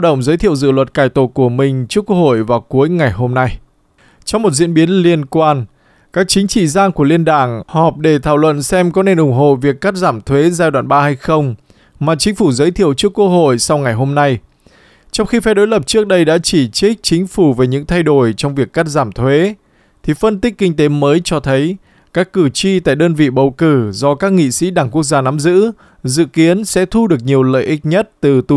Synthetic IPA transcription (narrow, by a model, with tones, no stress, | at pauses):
ɗə̰˧˩wŋ͡mzəː˨˦jt̪ʰḭ˧˨əwzɨ̰˧˨lwə˨˩t̚kaː˧˩jt̪o˨˩ku˧˩əmï˨˩ŋ̟t͡ɕɨ˦˥əkːwə˧k̚ho̰˧˨jvaː˨˩wku˨˦əjŋa˨˩jɦo˧mna˧j | t͡ɕɔ˧wŋ͡mmo˨˩t̚zwḭ˧˥ənɓi˨˦ənli˧ənkwaː˧n | kaː˦˥k̚t͡ɕï˨˦ŋ̟t͡ɕḭ˧˨zaː˧ŋku˧˩əli˧ənɗaː˧˩ŋhɔ˨˩p̚ɗe˧˩t̪ʰaː˧˩wlwə̰˧˨nsɛ˧mkɔ˨˦ne˧˩nʔʊ˨˧˩ŋ͡mɦo̰˧˨vi˨˩əkːa˦˥t̚zaː˧˩mt̪ʰwe˨˦zaː˧jɗwaː˧˩nɓaː˧ha˧jxə˧wŋ͡m | maː˨˩t͡ɕï˨˦ŋ̟fu˧˩zəː˨˦jt̪ʰi˧˨əwt͡ɕɨ˦˥əkːwu˧əho̰˧˨jsa˧wŋa˨˩jɦo˧mna˧j | t͡ɕɔ˧wŋ͡mxi˧fa˧˦jɗo˨˦jlə˨˩p̚t͡ɕɨ˦˥ək̚ɗə˧jɗa̰ː˧˥t͡ɕi˧˩t͡ɕi˦˥k̚t͡ɕï˨˦ŋ̟fu˧˩ve˨˩ɲɨ̰˧˥ŋt̪ʰa˧jɗo˧˩jt͡ɕɔ˧wŋ͡mvi˨˩əkːa˦˥t̚zaː˧˩mt̪ʰwe˨˦ | t̪ʰi˨˩fə˧nt̪ï˦˥k̟̚kːï˧ŋ̟t̪e˨˦məː˨˦jt͡ɕɔ˧t̪ʰə˨˦j | kaː˦˥kːɨ˧˩t͡ɕi˧t̪a̰ː˧˨jɗəː˧nvḭ˧˨ɓə˨˩wkɨ˧˩zɔ˧kaː˦˥k̚ŋḭ˧˨sḭ˧˥ɗaː˧˩ŋku˦˥ək̚zaː˧na˨˦mzɨ̰˧˥ | zɨ̰˧˨ki˨˦ənsɛ̰˧˥t̪ʰu˧ɗɨ˨˩ək̚ɲi˨˩əwlə̰ː˧˨jʔï˦˥k̚ɲə˦˥t̚t̪ɨ˨˩t̪u˨˧˩